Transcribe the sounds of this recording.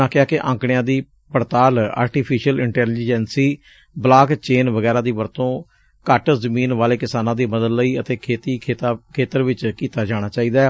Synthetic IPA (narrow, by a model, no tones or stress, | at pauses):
ãːkɪaːkɪʔã̰ːŋkɽɪjãːd̪iː | pəɾt̪aːla̰ːɾʈiːpʰiːʃəlɪɳʈɛːliːd͡ʒɛːnsiː | blaːkt͡ʃeːnʋəɡɛːɾãːd̪iːʋəɾt̪õː | kəʈzəmiːnʋaːleːkɪsaːnãːd̪iːməd̪əlːəiːət̪eːkʰeːt̪iːeːt̪ːkʰeːt̪əɾʋɪt͡ʃkiːt̪aːd͡ʒaːɽ̃aːt͡ʃaːiːd̪aː